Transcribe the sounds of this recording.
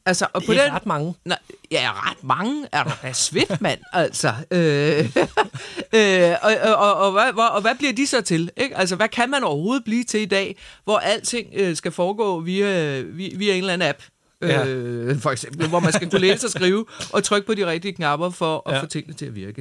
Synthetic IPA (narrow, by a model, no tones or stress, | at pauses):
ælsɐʔɒ̽pʰɒ̽d̥en̥ŋnjæʁɑd̥mɑ̈ŋəæɐɾ̥ɑd̥æɐsʋe̝d̥mæn̰æl̰sɒø | ø | ɒ̽ːʋæʋɒ̽ːʋæb̥liɐ̰d̥isɒ̽t͡sʰe̝le̝ɡ̥æl̰s̬ɐʋækʰæmænɒʊɐho̝ːð̞̩ˠb̥liːt͡sʰe̝lid̥ɛ̰ːʋɒʔæl̰t͡sʰe̝ŋ̰øsɡ̥æfɒːɡ̥ɔ̰̽ːʋiæʋiʋiæe̝ːnlæn̩æb̥ | øfɒ̽eɡ̥sem̰b̥l̩ʋɒmænsɡ̥ækʰuleːsəɒsɡ̥ʁiːʊʔɒ̽t͡sʰʁœɡ̥̚pʰɒ̽d̥iʁɛɡ̥̚d̥iəkʰnɑ̈b̥ɐfɒ̽ʔæfɔːt͡sʰe̝ŋ̰nət͡sʰe̝æʋiɐɡ̥ə